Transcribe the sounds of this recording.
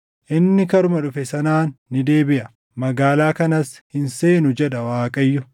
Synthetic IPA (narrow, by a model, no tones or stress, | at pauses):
ʔɪnːɪkɐɾʊmɐᶑʊfɛsɐnaːnːɪd̪e̞ːbɪʔɐ | mɐɡaːlaːkɐnɐshɪnse̞ːnʊd͡ʒɛᶑɐwaːkʼɐjːʊ